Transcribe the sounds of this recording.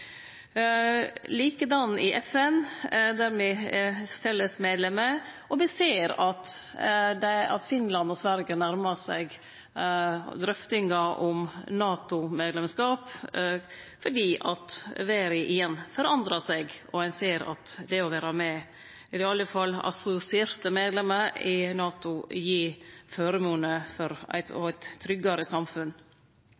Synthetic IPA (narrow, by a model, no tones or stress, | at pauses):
liːkəd̪ɑnːʔɪʔɛfɛnd̪æɾmɛɛɾfɛlːəsmeːd̪lɛmə | ɔmɪseːɾɑt̪ | d̪ɛɑ̰t̪fɪnlɑnɔsʋæɾɡənæɾmɑsæ̰ɡ | d̪ɾœft̪ɪŋɑʔʊmnɑːt̪ʊmeːd̪lɛmskɑːp | fɔɖiːʔɑt̪ʋeːɾɪʔɪjɛnːfɔɾɑnd̪ɾɑsɛɡʔɔæɪnseːɾɑ̰t̪d̪ɛɔʋæːɾɑmɛ | ɪɾɪɑlːəfɑlːɑ̰sʊsɪɛːɾt̪əmeːd̪lɛməɾɪnɑːt̪ʊjiːføːɾəmuːnəfɔɾæ̰ɪt̪ɔ̰æɪt̪ʰːɾʏɡɑɾəsɑmfʉn